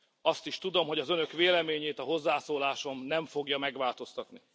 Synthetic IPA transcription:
ɒst̪iʃt̪ud̪o̞mɦo̞ɟɒzø̞nø̞kveːlɛmeːɲeːt̪ɒɦo̞zːaːsoːlaːʃo̞mnɛɱfo̞ɡjɒmɛɡʋaːlt̪o̞st̪ɒt̪ni

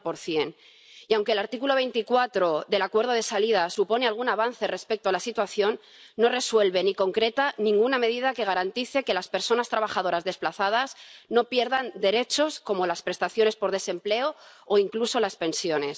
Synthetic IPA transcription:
po̞ɾθje̞n | iawŋkelaɾt̪ikulo̞βe̞jnt̪ikwat̪ɾo̞ðe̞lakwe̞ɾð̞o̞ðe̞salið̞asupo̞ne̞alɣ̞unaβ̞anθe̞re̞spe̞k̚t̪oalasit̪waθjo̞nː | o̞re̞swe̞lβe̞niko̞ŋkɾe̞t̪anĩŋɡuname̞ð̞iðake̞ɣ̞aɾant̪iθe̞ke̞laspe̞ɾso̞nast̪ɾaβaxaðo̞ɾazðe̞splaθað̞asno̞pje̞ɾðand̪e̞ɾe̞t͡ʃo̞sko̞mo̞laspɾe̞st̪aθjo̞ne̞spo̞ɾðe̞se̞mple̞ooiŋkluso̞laspe̞nsjo̞ne̞s

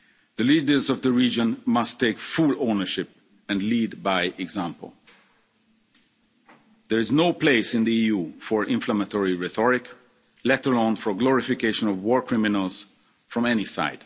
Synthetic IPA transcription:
ðəlidə˞zɔvðəɹid͡ʒə̃nmʌstʰːeɪkfulonə˞ʃɪp̚ | ɛ̃nlidbaɪʔɛɡzæ̃mpə̰l̩ˠ | ðɛɹɪznoʊpleɪsɪ̃nd̪iijufɔɹʔɪ̃ɱflamətɔɹiɹɛθɔɹɪk | lɛtəlɔ̃nfɔɡlɔɹɪfɪkeɪʃə̃nɔvwɔɹkʰɹɪmɪnəlˠz̥ | fɹɔ̃mɛnisa̰ɪd̥

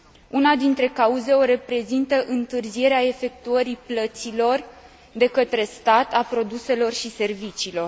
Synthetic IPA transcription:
unad̪int̪ɾe̞kauze̞o̞ɾe̞pɾe̞zint̪əʔɨnt̪ɨrzie̞ɾeae̞fe̞k̚t̪uəɾiplət̪silo̞r | d̪e̞kət̪ɾe̞st̪at̪apɾo̞d̪use̞lo̞rʃise̞rvit͡ʃiːlo̞r

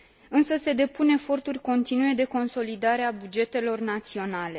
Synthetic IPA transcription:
ɨnsəse̞d̪e̞pune̞fo̞rt̪urʲko̞nt̪inuje̞d̪e̞ko̞nso̞lid̪aɾeabud͡ʒe̞t̪e̞lo̞rnat̪sio̞nale̞

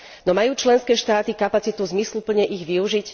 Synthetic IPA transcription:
nɔmajuːt͡ʃlɛnskɛːʃt̪aːt̪ikapat͡sit̪uzmislupl̩ɲɛʔiɣʋiuʒic

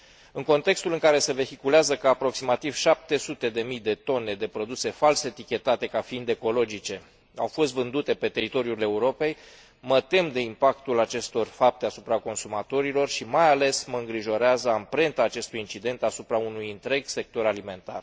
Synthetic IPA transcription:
ɨŋko̞nt̪e̞kst̪ulɨŋkaɾe̞se̞ve̞xikuleazəkəapɾo̞ksimat̪iv̥ʃap̚t̪e̞sut̪e̞d̪e̞mijd̪e̞t̪o̞ne̞d̪e̞pɾo̞d̪use̞falset̪ikʲe̞t̪at̪e̞kafiind̪e̞ko̞lo̞d͡ʒit͡ʃe̞ | a̰wfo̞st̪vɨnd̪ut̪e̞pe̞t̪e̞ɾit̪o̞ɾiule̞uɾo̞pe̞j | mət̪e̞md̪e̞impakt̪ulat͡ʃe̞st̪o̞rfap̚t̪e̞asupɾako̞nsumat̪o̞ɾilo̞rʃimajale̞sməɨŋɡɾiʒo̞ɾeazəampɾe̞nt̪aːt͡ʃe̞st̪ujint͡ʃid̪e̞nt̪asupɾaunujɨnt̪ɾe̞ɡse̞k̚t̪o̞ɾalime̞nt̪a̰r

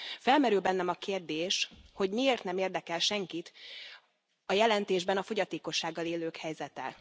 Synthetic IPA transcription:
fɛlmɛɾylbɛnːɛmɒkeːrd̪eːʃho̞ɟmieːrt̪nɛmeːrd̪ɛkɛlʃɛŋkit̪ | ɒjɛlɛnt̪eːʒbɛnɒfo̞ɟɒt̪eːko̞ʃːaːɡːɒleːløːkhɛjzɛt̪ɛ

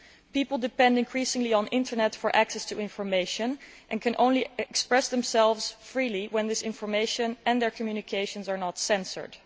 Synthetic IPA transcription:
pipl̩ˠdɨpɛ̃ndɪ̃nkʰɹ̥isɪ̃ŋliə̃nɪ̃ntə˞nɛtfəɹʔæksɛstʰuɪ̃nfɔɹmeɪʃɨ̃nʔɨ̃nkʰɨ̃nʔõ̰ʊ̃nliɛkspɹɛsðɛ̃msɛlˠvz̥fɹiːliwɛ̃nðɪsɪ̃nfəɹmeɪʃə̃nʔɛ̃nðəɹkʰmjʉnɨkʰeɪʃə̃nzɑɹnətsɛ̃nsə̰˞d̥

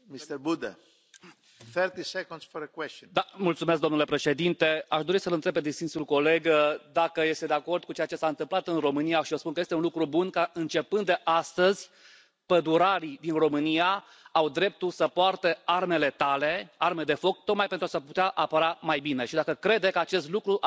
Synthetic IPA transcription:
mit̪bud̪a | θɛɾt̪isɛkɔ̃nsfoɾəkwɛstd̪amult̪sumes̬kd̪omnule̞pɾe̞ʃe̞d̪int̪e̞aʃd̪o̞ɾisəlɨnt̪ɾe̞bped̪isinsulko̞le̞ɡd̪akəje̞st̪ed̪eako̞rd̪̚kut͡ʃe̞jat͡ʃe̞saɨnt̪ɨmplat̪ɨnro̞mɨnijaʃiospunkəje̞st̪eunlukɾubunkaɨnt͡ʃe̞pɨnd̪d̪eʔast̪əzʲ | pəd̪uɾaɾid̪inro̞mɨnija | awd̪ɾe̞p̚t̪ulsəpoart̪earme̞le̞t̪alearmed̪e̞fo̞k̚t̪o̞k̪̚majpe̞nt̪ɾuasaput̪eaʔapəɾamajbine̞ʃid̪akəkɾe̞d̪ekəat͡ʃe̞st̪lukɾuʔ

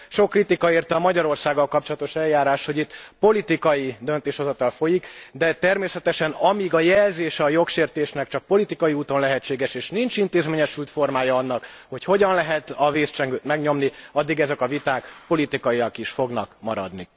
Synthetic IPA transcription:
ʃo̞kːrit̪ikɒeːrt̪ɒmɒɟɒɾo̞rsaːɡːɒlkɒp̚t͡ʃolɒt̪o̞ʃɛljaːɾaːʃho̞ɟit̪ːpo̞lit̪ikɒjid̪øn̪t̪eːʃho̞zɒt̪ɒlfo̞jikd̪ɛt̪ɛrmeːsɛt̪ɛʃɛnɒmiɡɒjɛlzeːʃɛːjo̞kʃeːrt̪eːʃnɛkt͡ʃɒk̚po̞lit̪ikɒjiuːt̪o̞nlɛɦɛt͡ʃːeːɡɛʃeːʃnint͡ʃint̪eːzmeːɲɛʃylt̪fo̞rmaːjɒɒnːɒkho̞cho̞ɟɒnlɛɦɛt̪ɒveːst͡ʃɛŋɡøːt̪mɛɡɲo̞mniɒd̪ːiɡɛzɛkɒvit̪aːkpo̞lit̪ikɒiɒkiʃfo̞ɡnɒkmɒɾɒ̰d̪ni

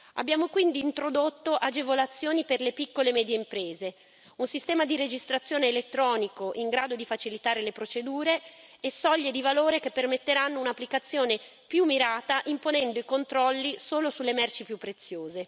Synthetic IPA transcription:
a̰bːjaːmokwind̪iːnt̪ɾod̪ot̪ːoʔad͡ʒevolat̪sːjoːniperlepikːolemɛːd̪jeimpɾeːze | unsist̪ɛːmad̪iɾed͡ʒist̪ɾat̪sːjoːneːlet̪ːɾɔːnikoʔiŋɡɾaːd̪od̪ifat͡ʃilit̪aːɾelepɾot͡ʃed̪uːɾeːsɔʎːed̪ivaloːɾekepːermet̪ːeɾanːounapːlikat̪sːjoːne | pjumːiɾaːt̪aʔimponɛnd̪oikont̪ɾɔlːisoːlosulːemɛrt͡ʃipjupːɾet̪sːjoːze

